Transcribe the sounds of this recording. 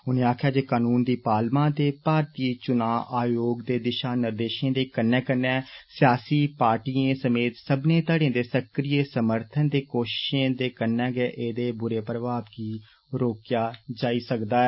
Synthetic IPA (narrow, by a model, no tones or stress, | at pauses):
ʊnẽːaːkʰjaːd͡ʒeːkaːnuːnd̪iːpaːlmãːd̪eːpaːɾt̪iːt͡ʃʊnaːʔaːjoːɡd̪eːd̪ɪʃaːnɪɾd̪eːʃẽːd̪eːkənːɛːkənːɛ̃ːsɪjaːsiːpaːɾʈiːẽːsəmeːt̪səbneːt̪əɽẽːd̪eːsəkɾiːeːsəməɾt̪ʰənd̪eːkoːʃɪ̥ʃẽːd̪eːkənːɛ̃ːɡɛːʔeːd̪eːbʊɾeːpɾəbaːbkiː | ɾoːkjaːd͡ʒaːiːsəkd̪aːɛ